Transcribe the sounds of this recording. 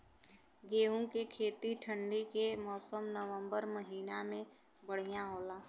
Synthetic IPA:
ɡeːũkekʰeːt̪iʈʰə̃ɳɖikemɔːsəmnəʋə̃mbəɾməɦiːnamẽ | bəɽ̤ijaɦoːlaː

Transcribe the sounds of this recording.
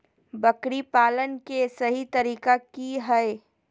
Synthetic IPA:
bɐkɽipaːlənkesɐɦit̪ɐɾiːkakiɦɛe

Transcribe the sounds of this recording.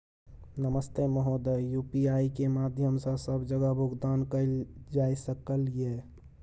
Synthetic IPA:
nəməst̪eməɦod̪əjupiaikemad̪ʱjəmsə̃bsəbd͡ʒəɡəɦbʱʊɡd̪ankəɪld͡ʒaisəkəlije

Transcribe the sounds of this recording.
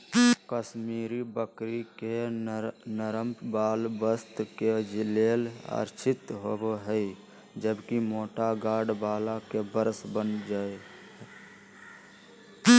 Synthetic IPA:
kəʃmiːɾibəkɾike | nəɾəmpbaːlbəst̪ked͡ʒɪleːla̰ːɾt͡ʃʰɪt̪ɦobɦɛi | d͡ʒəbkimoːʈaɡaːɽbaːlakebəɾsbənd͡ʒaːe

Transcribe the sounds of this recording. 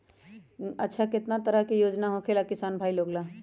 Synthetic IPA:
ɐtːʃʰakɪt̪nat̪əɾəɦkijoːd͡ʒnaɦõkʰelakɪsaːnbʱaːiloːɡlaː

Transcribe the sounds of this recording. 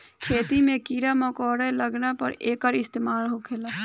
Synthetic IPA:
kʰeːt̪imẽkiːɾamɔkɔːɽeləɡnapə̰ɾeːkəɾɪst̪eːmaːlɦokʰeːlaː

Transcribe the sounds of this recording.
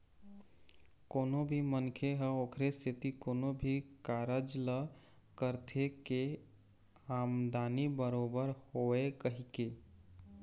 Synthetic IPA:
koːnobʱimənkʰeɦəoːkʰɾesʰit̪ikoːnobʱikaːɾəd͡ʒlə | kəɾt̪ʰeke | amd̪aːnibəɾobəɾhoekəɦike

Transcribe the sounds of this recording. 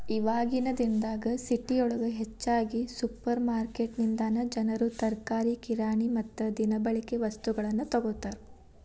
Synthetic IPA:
iʋaːɡinɐd̪ind̪aːɡɐsiʈːiɔɭɐɡɐɦet͡ʃːaːɡisupːɐɾmaːɾkeːʈnind̪aːnɐd͡ʒɐnɐɾut̪ɐɾkaːɾikiɾaːɳimɐt̪ːud̪inɐbɐɭikeʋɐst̪uɡɐɭɐnːut̪ɔɡoːt̪ːaːɾu

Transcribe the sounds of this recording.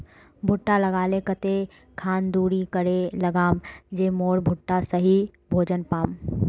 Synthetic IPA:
bʱʊʈːalɐɡaːlekət̪e | kʰaːnd̪uːɽikəɾelɐɡaːmd͡ʒeːmoːɽbʱʊʈːasəɦibʱoːd͡ʒənpaːm

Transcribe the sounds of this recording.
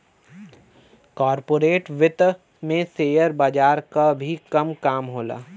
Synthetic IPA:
kɔːɾpoːɾeːʈʋɪt̪ | mẽseːjəɾbaːd͡ʒaːɾkabʱikɐmkaːmɦoːla̰ː

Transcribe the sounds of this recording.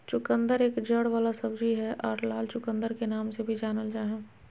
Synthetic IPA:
t͡ʃʊkə̃nd̪əɾeːkd͡ʒəɽʋaːlasɐbd͡ʒiɦɛʔɔːɾlaːlt͡ʃʊkə̃nd̪əɾkenaːmsebʱid͡ʒaːnəld͡ʒaːɦɛ̃ː

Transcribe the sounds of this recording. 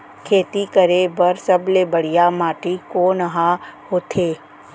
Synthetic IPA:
kʰeːt̪ikəɾebɐɾsɐblebəɽ̤ijamaːʈikoːnəɦahoːt̪ʰeː

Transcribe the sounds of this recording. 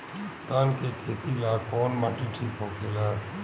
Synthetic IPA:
t̪aːnkekʰeːt̪ilakʰɔːnmaʈiʈʰipɦokʰeːla

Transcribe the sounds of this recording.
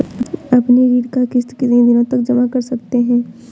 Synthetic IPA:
ɐpneɾiːɽkakɪst̪kɪt̪d̪ɪnõt̪ɐkd͡ʒɐmakɐɾsɐk̚t̪eɦɛ̃ː

